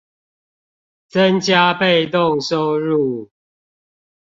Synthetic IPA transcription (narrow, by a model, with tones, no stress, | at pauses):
t͡sə˦nt͡ɕja˦pe˥˨ɪt̪ʊ˥˨ŋso˦ʊɻu˥˨